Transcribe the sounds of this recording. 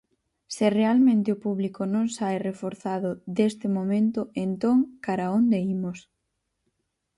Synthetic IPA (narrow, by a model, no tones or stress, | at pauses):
sɪrealmẽnt̪ɪopuβlikonõŋsajrefoɾθaðʊðest̪ɪmomẽnt̪ʊent̪oŋkaɾaond̪eimos